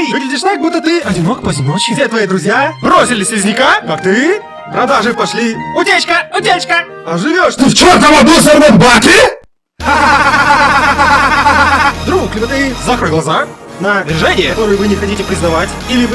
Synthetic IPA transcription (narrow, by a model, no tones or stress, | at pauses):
vɨɡlʲɪdʲɪʂt̪aɡ̚but̪ːət̪ɨɐdʲɪnokpəzʲɪnot͡ɕɪsʲet̪vɐid̪ɾʊzʲjabɾosʲɪlʲɪsʲɪzʲnʲɪkakakt̪ɨ | pɾɐd̪aʐɨpɐʂlʲiʊtʲet͡ɕkəʊtʲet͡ɕkə | ɐʐɨvʲoʂt̪ɨft͡ɕort̪əmɐd̪usɐɾvət̪ʲbakʲɪ | d̪ɾuklʲbət̪ɨzakɾəɡlˠɐzanəvʲɪʐɛnʲɪjəkɐt̪o̞ɾɨjəvɨnʲɪxɐtʲitʲɪpɾʲɪznɐvatʲilʲɪv